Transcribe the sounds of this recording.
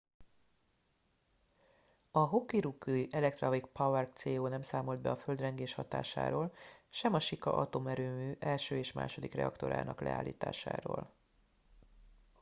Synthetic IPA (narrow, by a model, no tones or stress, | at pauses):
ɒɦokːiɾukːuiʔɛlɛk̚t̪rɒvikpɒwɛrkt̪seːoːnɛmsaːmo̞ld̪̚bɛɒføld̪rɛŋɡeːʃhɒt̪a̰ːʃa̰ːɾoːlʃɛmɒʃikɒ̰ʔɒ̰t̪o̞mɛɾøːmyːʔɛlʃøːeːʃma̰ːʃo̞d̪ikrɛ̰ɒ̰kt̪o̞̰ɾa̰ːnʔɒklɛ̰a̰ːlːḭːt̪aːʃa̰ːɾo̰ːl